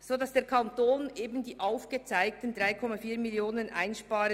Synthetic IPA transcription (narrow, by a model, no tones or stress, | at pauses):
z̥oːdɑsd̥eːɐkʰɑntoːnʔeːbən̩diːʔaʊfɡ̥ət͡saɪk̚tən̩dʁaɪkʰɔmafiːɐmiljoːnənʔa̰ɪnʃpɑːɾə